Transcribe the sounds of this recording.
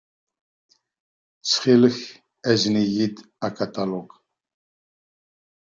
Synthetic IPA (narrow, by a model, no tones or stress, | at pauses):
t͡sʰχelɨx | æznijid̪ | akʰat̪ʼaloɡ